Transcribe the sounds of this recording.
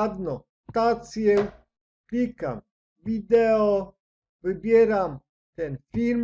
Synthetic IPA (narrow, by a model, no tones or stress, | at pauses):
d̪nɔ | st̪at̪sjew | klika̰m | vid̪ɛɔ | vɨbʲjɛɾam | t̪ɛnfiɾm